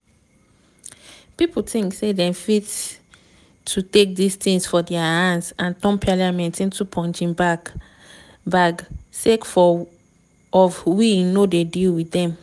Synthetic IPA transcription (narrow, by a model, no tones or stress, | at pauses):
pipul̩tĩŋksedɛ̃mfit | tʰutek̚distĩŋsfɔdɛaãnsãntɔ̃mpʰaljamɛ̃ntĩntupʰɔ̃nt͡ʃĩmbak | baɡsekfɔ | ɔfwinodedilwitdɛ̃m